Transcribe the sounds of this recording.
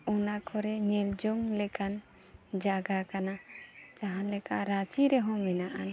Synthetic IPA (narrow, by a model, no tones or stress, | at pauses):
unakʰɔɾɛɲɛld͡ʒɔŋlɛkan | d͡ʒaɡakanat͡ʃaɦãlɛkaɾat͡ʃiɾɛɦɔ̃mɛnaʔan